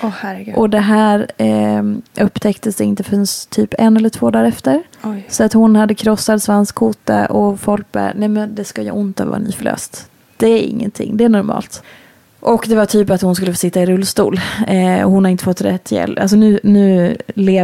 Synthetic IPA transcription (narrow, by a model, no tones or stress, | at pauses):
ɔhæɾʔɔd̪ɛɦæːɾ | ʔɵpːt̪ʰɛkt̪əsd̪ɛɪnt̪əfnst̪ʰyːpɛnɛlːəʈʰv̥oːd̪ɑːɾɛft̪əɾ | jsɔat̪hʊnhad̪ːəkʰɾɔsːad̪svanskʰːuːt̪a̰ʔɔfɔlk̚bæ̰ːɾnɛmɛnd̪ɛskaja̰ʔʊnt̪avɑ̰ːɾnḭːfœɭø̰ːst̪ | d̪̥ɛæɾɪ̰ŋːə̰nt̪ʰɪ̰ŋːd̪ɛæɳɔɾmɑ̰ːlt̪ | ʔɔkd̪ɛvaʈʰyːpat̪hʊnskɵlːəfoːsɪt̪ːaɪɾɵlːst̪ṵːlɔ̰hʊnhaɾɪnt̪əfɔt̪ːɾɛt̪ʰːjɛ̰lals̬ɔnʉ̟ːnʉ̟ːleː